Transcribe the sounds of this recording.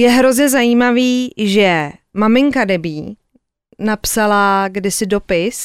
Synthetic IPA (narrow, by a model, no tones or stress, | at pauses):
jɛɦɾo̞zɲɛzajiːmaviːʒɛmamɪŋkadɛbiː | napsalaɡdɪsɪdo̞pɪs